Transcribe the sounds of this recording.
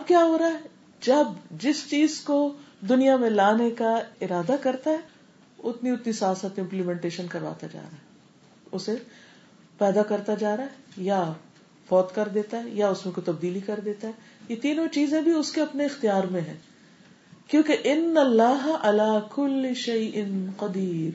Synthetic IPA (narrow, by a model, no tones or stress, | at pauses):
ɐb̚kjaːɦoːɾaːɦɛ | d͡ʒɐbd͡ʒɪst͡ʃiːzkod̪ʊnijamẽlaːnekaɪɾaːd̪akɐɾt̪aɦɛ | ʊt̪niʊt̪nisaːsət̪ɪ̃mplimɛ̃ːɳʈeːʃənkɐɾʋa̰ːt̪ad͡ʒa̰ːɾaːɦɛ | ʊse | pɛːd̪akɐɾt̪ad͡ʒaːɾaɦɛja | fɔːt̪kɐɾd̪eːt̪aɦɛjaʊsmẽkot̪ɐb̚d̪iːlikɐɾd̪eːt̪aɦɛ | jet̪iːnõt͡ʃiːzẽbʱiʊskeɐpneɪxt̪ijaːɾmẽɦɛ̃ː | kjõːkeʔɪnːɐlːaːɦʔɐlaːkʊlːɪʃɐɪʔɪnqɐd̪iːɾ